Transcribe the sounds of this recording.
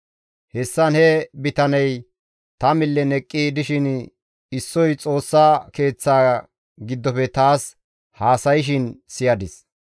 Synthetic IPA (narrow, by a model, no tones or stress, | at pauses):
hɛsːɐnhɛbɪt̪ɐnɛj | t̪ɐmɪlːɛnɛkʼːid̪ɪʃɪn | ɪsːɔjt͡sʼo̞ːsːaːke̞ːt͡sːaː | ɡɪd̪ːɔpɛt̪aːs | haːsɐjɪʃ̬ɪnsɪjɐd̪ɪs